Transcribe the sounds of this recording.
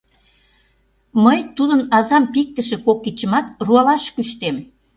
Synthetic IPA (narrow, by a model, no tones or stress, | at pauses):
məjt̪ud̪ənɑzɑmpik̚t̪əʃĕkokːit͡ɕə̆mɑt̪ruɑlɑʃkyʃt̪em